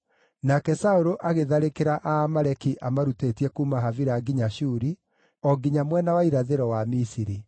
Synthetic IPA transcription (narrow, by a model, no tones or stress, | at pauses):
nakɛsaoɾoʔaɣeðaɾekeɾaʔamaɾɛkiʔamaɾutetiɛkuːmaɦaviɾaɡiɲaʃuːɾi | ɔɡiɲamwɛnawaiɾaðeɾɔwamisiɾi